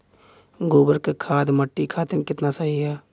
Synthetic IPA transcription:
ɡoːbəɾkekʰaːd̪məʈːikʰaːt̪ekɪt̪nasəɦiɦɛː

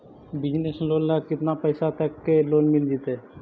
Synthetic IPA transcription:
bɪd͡ʒnesloːnlakɪt̪napəɪsat̪əkːeloːnmɪld͡ʒit̪e

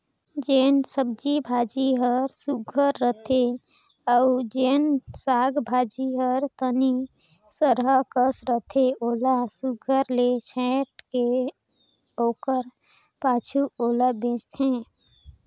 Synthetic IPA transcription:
d͡ʒeːnsəb̚d͡ʒibʱaːd͡ʒiɦəɾsuɡʱəɾːət̪ʰe | əʊd͡ʒeːnsaːɡbʱaːd͡ʒiɦəɾt̪əni | səɾɦəkəsɾət̪ʰeoːlasuɡʱəɾlet͡ʃʰɛ̃ʈke | oːkəɾ | paːt͡ʃʰuoːlabẽːt͡ʃt̪ʰẽ

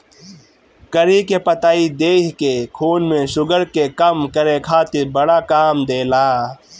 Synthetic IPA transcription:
kɐɾikepɐt̪aːid̪eːkkekʰuːnmẽʃʊɡəɾkekɐmkɐɾekʰaːt̪ibɐɽakaːmd̪eːlaː

